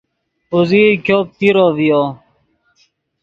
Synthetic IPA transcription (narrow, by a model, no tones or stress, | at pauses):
uzikjoːp̚t̪iɾoːvijoː